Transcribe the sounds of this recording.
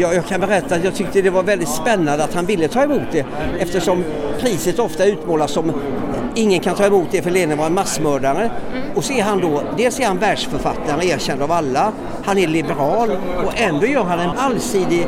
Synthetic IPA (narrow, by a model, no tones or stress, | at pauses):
jɑːjɑːɡkʰanbɛɾɛt̪ːat̪jɑːɡ̚t̪ʰʏk̚t̪əd̪ɛvaɾvɛld̪ɪt̪spɛnːand̪əat̪hanvɪlːət̪ʰɑːɛmuːt̪̚d̪ɛ | ɛft̪əʂɔm | pʰɾiːsət̪ɔft̪aʉ̟ːt̪moːlasɔm | ɪŋːənkʰant̪ʰɑːɛmuːt̪̚d̪ɛfœɭeːd̪ənvɑɾɛnmasːmœːɖaɾə | ɔsɔɛɾɦand̪ɔd̪eːlsæɾhanvæːɖʂfœɾfa̰t̪ːaɾəeːɾɕɛnd̪avalːa | hanæɭɪbɛɾɑːlɔɛnd̪oːjœːɾɦanɛnalsiːd̪ɪ